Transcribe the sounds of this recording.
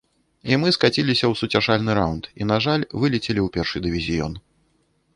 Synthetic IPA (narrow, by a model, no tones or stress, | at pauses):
imɨskat͡sʲilʲisʲɐwsut͡sʲaʂalʲnɨɾawnt̪ḭnaʐalʲvɨlʲit͡sʲelʲiwpʲɛrʂɨd̪ɨvʲizʲijɔ̰n